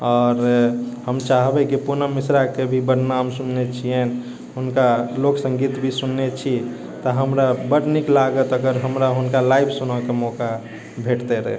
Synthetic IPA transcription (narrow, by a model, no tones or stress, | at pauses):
ɔːɾhəmt͡ʃaɦbekipunəmisɾakebʱibəɽnamsunːet͡ʃʰiɛn | ɦʊnkaloksə̃ŋɡit̪bʱisunːet͡ʃʰi | t̪ɔɦəmɾabəɽniklaɡət̪əɡəɾɦəmɾaɦunkalaibʰsunɔkemɔka | bʱeʈt̪eɾə̰ɦɛ